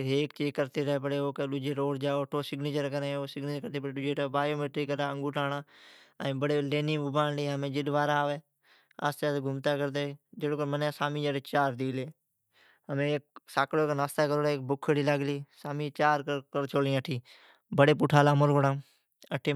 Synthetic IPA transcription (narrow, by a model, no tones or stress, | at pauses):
ɦeːkt͡ʃiːkəɾt̪eːɾəɦeːpəɽeːoːkeɗʊd͡ʒeːɾoːɽd͡ʒaːoʈʰoːsɪɡneːt͡ʃəɾkəɾẽːoːsɪɡneːt͡ʃəɾkəɾt̪eːpəɽɗʊd͡ʒeːʈaːbaːjoːmeːʈɾiːkəɾaːəŋɡuːʈaːɽaːəĩːbəɽeːleːniːʊbaːnliːɦəmẽːd͡ʒɪɗʋaːɾaːʋeː | a̰ːst͡ʃaːt̪ːɡʱʊmt̪aːkəɾd̪eːd͡ʒeɽoːkəɾmənasaːmiːd͡ʒaːɽeːt͡ʃaːɾd̪iːleː | ɦəmẽːk̚saːkloːknaːst̪aːkəɾoːleːk̚bʊkʰːɽiːləɡliːsaːmiːt͡ʃaːɾkkəɾt͡ʃʰoːlĩəʈʰiː | bəɽeːp̬ʊʈʰaːlaːmoɾkəɽãː | əʈʰeː